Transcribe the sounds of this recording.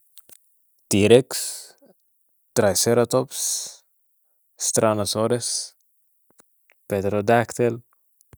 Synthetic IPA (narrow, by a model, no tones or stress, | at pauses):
t̪iɾeks | t̪ɾajseɾat̪ops | st̪ɾʔanasoɾes | ped̪ɾod̪akt̪el